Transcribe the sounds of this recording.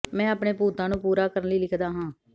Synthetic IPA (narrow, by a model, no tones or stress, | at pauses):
mɛ̃ːəpɳeːpuːt̪ãːnũːpuːɾaːkəɾənləiːlɪkʰd̪aːɦãː